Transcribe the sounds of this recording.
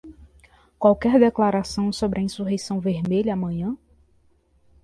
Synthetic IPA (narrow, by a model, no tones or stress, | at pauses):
kwawkɛɾd̪eklaɾasɐ̃w̃sobɾɐĩsuɦejsɐ̃w̃veɾmeʎʊamɐ̃ɲɐ̃